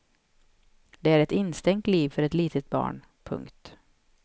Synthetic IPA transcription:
d̪ɛæɾɛt̪ɪnːst̪ɛŋt̪liːvfœɾɛt̪liːt̪ʰət̪̚bɑ̰ːɳ | pʰɵ̰ŋkt̪

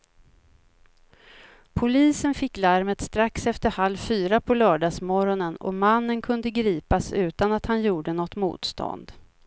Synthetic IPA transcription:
pʰʊliːsənfɪkːlaɾmət̪st̪ɾaksɛft̪əɾhalvfyːɾapʰɔlœːɖɑːsmɔɾɔnənɔ̰manːənkʰɵnd̪əɡɾiːpasʉ̟ːt̪anat̪hanjuːɖənɔt̪ːmṵːt̪st̪ʰɔ̰nd̪

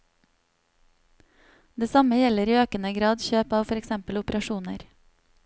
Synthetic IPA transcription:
d̪eːsɑməjɛləɾiːøːkənəɡɾɑːd̪çøːpɑːʋfɔɾɛksɛmpəlʊpəɾɑʃuːnəɾ

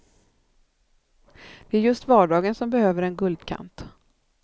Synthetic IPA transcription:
vɪæɾjɵst̪vɑːɖɑːɡənsɔmbɛhøːvəɾɛnɡɵld̪kʰa̰nt̪

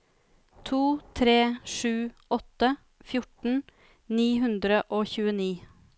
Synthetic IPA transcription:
t̪ʰuːt̪ʰɾeːʂʉːɔt̪ə | fjʊʈɳ̩ | niːɦʉnd̪ɾəʔoːçʉːəniː

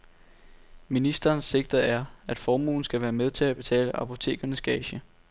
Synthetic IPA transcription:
minisd̥ɐːnsːe̝ɡ̥̚d̥ɐæɐæd̥fɒːmṵːn̩sɡ̥æʋæːɐmeð̞ˠt͡sʰe̝læb̥e̝t͡sʰɛ̰ːləʔɑ̈pʰo̝t͡sʰe̝̰ːɡ̥ɐnəsɡ̥ɛːɕə

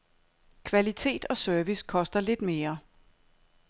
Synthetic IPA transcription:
kʰʋælit͡sʰe̝̰ːd̥ɒ̽sœɐʋiskʰɒ̽sd̥ɐle̝d̥me̝ːɐ

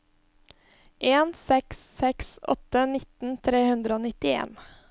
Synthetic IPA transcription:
ʔeːnsɛksːɛksɔ̰t̪ːənɪt̪n̩t̪ʰɾeːhʉnd̪ɾəoːnɪt̪ɪḛːn

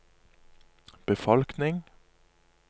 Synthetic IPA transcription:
b̥əfɔlknɪŋ

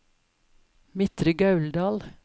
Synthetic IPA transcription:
mɪt̪ɾəɡɑʉld̪ɑːl

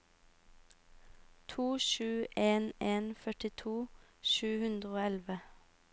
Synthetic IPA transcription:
t̪ʰuːʃʉːʔeːneːnfœʈɪt̪ʰuːʃʉːhʉnd̪ʁəoːɛlʋə

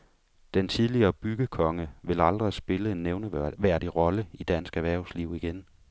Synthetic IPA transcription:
d̥ent͡sʰið̞ˠliɐːb̥yɡ̥əkʰɒ̽ŋəʋe̝lɑ̈ld̥ʁisb̥e̝ləe̝nːeʊnəʋæɐ̰ɾiʁɒ̽ləid̥ænsɡ̥æʋæɐ̰ʊsliʊ̰iɡ̥en

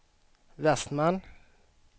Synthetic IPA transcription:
vɛst̪man

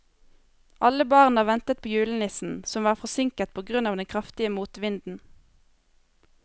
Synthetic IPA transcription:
ʔɑləbɑːʁnɑːʋɛnt̪ət̪̚pʰoːjʉːlənɪsn̩sɔmʋɑːʁfɔsɪŋkət̪̚pʰoːɡʁʉnɑːʋd̪ɛnkʰʁɑft̪ɪəmuːt̪ʋɪnd̪n̩

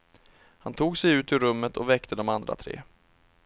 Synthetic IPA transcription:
hant̪ʰuːɡsɛjʉ̟ːt̪ɪɾɵmːət̪ʰɔvɛkt̪ʰəd̪ɔmand̪ɾa̰t̪ʰɾḛː

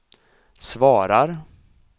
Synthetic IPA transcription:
svɑːɾaɾ

